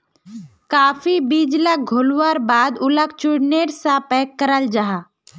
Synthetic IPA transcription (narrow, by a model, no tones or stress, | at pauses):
kaːfibiːd͡ʒlaɡʱolwaɾbaːd̪ʊlək̚t͡ʃʊɽneːɾsapɛːkːəɾəld͡ʒaɦaː